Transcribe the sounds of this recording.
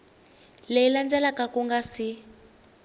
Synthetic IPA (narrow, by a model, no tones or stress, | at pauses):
leiland͡zɛlakakuŋɡasi